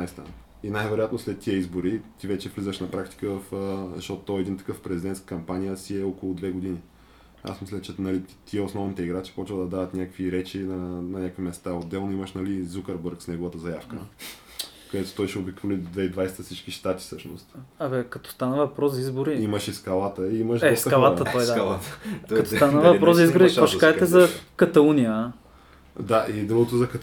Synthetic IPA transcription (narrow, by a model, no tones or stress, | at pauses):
jst̪a̰n | inajvɛɾojat̪noslɛt̪ːiəizboɾit̪ivɛt͡ʃɛvlizəʃnɐpɾakt̪i̥kəvɐfzʃt̪ɔt̪ot̪ɔɛd̪int̪ɐ̥kəfpɾɛzid̪ɛnt̪kə̥kɐmpanijəsiɛɔkolˠʊd̪vɛɡod̪ini | a̰smislʲət͡ʃɛnɐlit̪iɛosnɔvnit̪ɛiɡɾat͡ʃi̥pɔt͡ʃvəd̪ɐd̪ad̪ət̪nʲakəkviɾɛt͡ʃinɐnɐnʲakvimɛst̪aod̪ːɛlˠnoiməʃnɐlizukəɾbəɾksnɛɡovət̪əzɐjafkə | kɐd̪ɛt̪o̥t̪ɔjʃɛobikvolid̪vɛd̪vajsɛ̥t̪əsit͡ʃkiʃt̪at̪i̥sɤʃno̰st̪ɐβɛkɐt̪ɔ̥st̪anəvɐpɾɔzizboɾiiməʃiskɐlˠat̪əiiməʃd̪ɛɔskɐlˠaət̪ɔj̪aalˠakɐt̪ɔst̪anəvɐpɾɔzzɐizɡoɾiaʃkaʒɛt̪ɛzɐkɐt̪ɐlˠunijə | d̪aʔid̪ɾuɡot̪ozɐkɐ